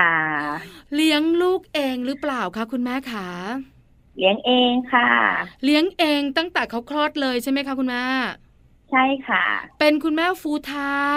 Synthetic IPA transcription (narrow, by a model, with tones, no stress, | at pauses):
kʰa˥˩li˦˥əŋluː˥˩k̚ʔeː˧ŋɾɯː˦˥plaː˨˩wkʰa˦˥kʰu˧nmɛː˥˩kʰa˦˥˩ | li˦˥əŋʔeː˧ŋkʰa˥˩li˦˥əŋʔeː˧ŋt̪a˥˩ŋt̪ɛː˨˩kʰa˦˥wkʰlɔː˥˩t̪̚lɤː˧jt͡ɕʰa˥˩jma˦˥jkʰa˦˥kʰu˧nmɛː˥˩ | t͡ɕʰa˥˩jkʰa˥˩pe˧nkʰu˧nmɛː˥˩fuː˨˦˥t̪ʰaː˦˥